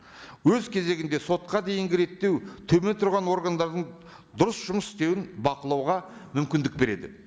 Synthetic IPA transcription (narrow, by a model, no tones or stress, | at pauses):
wɵzkʲʰe̞ze̞ɡʲɪnd̪e̞so̞t̪̚qɑd̪e̞jɪŋɡʲɪɾe̞t̪ːe̞wt̪ʰɵme̞nt̪ʰʊɾʁɑnwo̞ɾɡand̪ɑɾd̪əɴ | d̪ʊɾəsʒ̥ʊməsɪ̥st̪e̞wɪnbɑqəlˠɑwʁɑmʏmkʲɪnd̪ɪk̚be̞ɾe̞d̪ɪ̰